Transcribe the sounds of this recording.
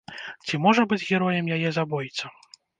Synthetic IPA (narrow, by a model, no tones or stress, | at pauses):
t͡sʲimɔʐɐbɨd͡zʲɣʲɛɾɔjɛmjajɛzabɔjit̪sʲɐ